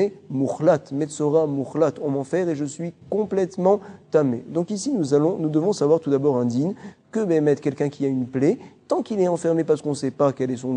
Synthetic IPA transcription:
ɛmuχlat̪mɛt̪sɔʁamuχlat̪ɔ̃mɑ̃fɛʁeʒəsɥikɔ̃plɛt̪mɑ̃t̪amed̪ɔ̃kisinuzalɔ̃nud̪əvɔ̃savwaʁt̪ud̪abɔʁɛ̃d̪inkəbemɛt̪kʲɛlkʲɛ̃kʲʰiaynplet̪ɑ̃kilɛɑ̃fɛʁmepaʁsə̥kɔ̃sɛpakɛlɛs̬ɔ̃

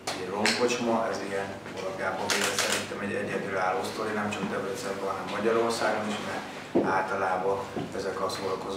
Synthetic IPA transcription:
ɛɟloŋko̞t͡ʃmɒʔɛziɡɛn | volɒvjaːbɒbeːlɛt̪sɛɾint̪ɛmɛɟɛ̰ɟɛd̪yːaːlːost̪oɾinɛmt͡ʃɒkt̪ɛbrɛt̪sɛrbɛɦɒnɛmːɒɟɒɾo̞rsaːɡoniʃmɛ | aːlt̪ɒlaːbɒɛzɛkɒsolɒkoz

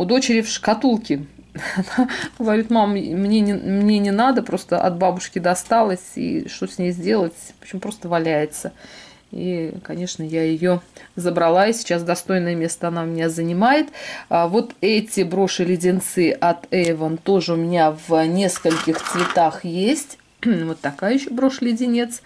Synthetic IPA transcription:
ʊd̪o̞t͡ɕɪɾʲɪfʂkɐt̪ulˠkʲɪnaɡ̥əvɐɾʲit̪mammnʲe̞nʲɪmnʲe̞nʲɪnad̪əpɾo̞st̪əʔɐ̰d̪babʊʂkʲɪd̪ɐst̪alˠəsʲḭʂt̪osʲnʲejzʲdʲe̞lˠətʲpo̥t͡ɕːɪmpɾo̞st̪əvɐlʲæjɪt̪sə | ḭkɐnʲe̞ʂnəjajɪjozəbɾɐlˠaɪsʲɪ̥t͡ɕasd̪ɐst̪o̞jnəjəmʲe̞st̪əɐnaʊmʲɪnʲazənʲɪmajɪt̪vo̞t̪ɛtʲɪbɾo̞ʂɨlʲɪdʲɪnt̪sɨʔɐt̪ɛvənt̪o̞ʐɨʊmʲɪnʲavnʲe̞skəlʲkʲɪxt̪svʲɪt̪axjesʲtʲ | vo̞t̪ːɐkajəjɪɕːobɾo̞ʂlʲɪdʲɪnʲe̞t̪s

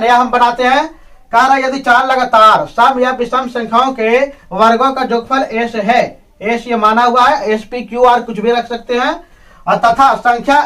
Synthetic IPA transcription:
jaɦəmbənaːt̪eɦɛ̃ | kaːɾə̃jəd̪it͡ʃaːɾləɡaːt̪aːɾsəbjabɪsəmsə̃ŋkʰaõkeʋəɾɡõkad͡ʒʊɡ̚pʰəɾeːsɦɛ | eːsjemaːnaɦuaɦɛeːspikjuaːɾkʊt͡ʃʰbʱiɾɐkʰsək̚t̪eɦɛ̃ | ɔɾt̪ɐt̪ʰasə̃ŋkʰja

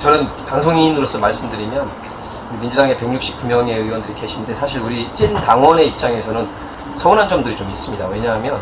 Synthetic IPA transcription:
t͡ɕʌnɯnpaŋsʰoŋinɯɾos͈ʰʌmaɭs͈ɯmdɯɾimjʌn | uimind͡ʑudaŋe̞pe̞ŋɲuk̚ɕ͈ʰip̚k͈umjʌŋe̞iwʌndɯɾikeɕʰinnde̞sʰaɕʰiɾuɾit͡ɕ͈intaŋwʌne̞ip̚t͡ɕ͈aŋe̞sʰʌnɯn | sʰʌʌnɦand͡ʑʌmdɯɾit͡ɕomis͈ɯmɲidawe̞ɲaɦamjʌn

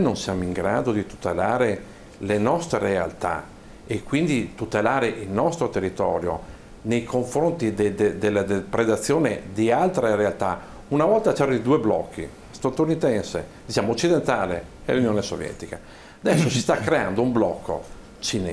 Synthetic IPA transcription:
nonsjaːmoiŋɡɾa̰ːd̪od̪it̪u̥t̪elaːɾe | lenɔst̪ɾerea̰lt̪a̰ | ekːwind̪it̪ut̪elaːɾeʔilnɔst̪ɾot̪erːit̪ɔːɾjo̰ | nejkʰoɱfɾont̪id̪ed̪ed̪elːad̪epɾed̪at̪sːjoːned̪ialt̪ɾeɾealt̪a | unavɔlt̪at͡ʃɛːɾonid̪uːeblɔkːḭ | st̪at̪unit̪ɛnsḛd̪it͡ʃaːmoot͡ʃːid̪ent̪aːlḛɛ̰lːunijoːnesovjɛ̰t̪ika | ad̪ɛsːosist̪akːɾeand̪oumblɔkːo̰ | t͡ʃine

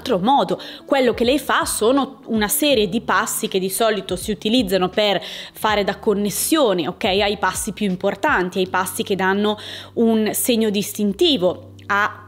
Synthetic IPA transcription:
lt̪ɾomɔːd̪okwelːokelɛjfasoːnounasɛːɾjed̪ipasːik̟ed̪ːisɔːlit̪osiut̪ilid̪zːanoperfaːɾed̪akːonːesːjoːneokːɛjajpasːipjuimport̪ant̪iajpasːik̟ed̪ːanːounseɲːod̪ist̪int̪iːvo | a

